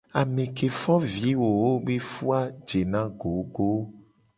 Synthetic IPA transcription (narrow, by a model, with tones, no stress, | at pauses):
a˨mẽ˨ke˨fɔ˦vi˨˦wo˨wo˦be˦fu˦a˦d͡ʒe˨nã˦ɡo˨ɡo˦